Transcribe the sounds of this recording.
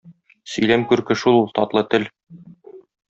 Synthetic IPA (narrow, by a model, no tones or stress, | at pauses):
sɵ̆jlæmkʉɾkɘ̆ʃulˠulˠt̪ɒt̪lˠɤt̪ɘl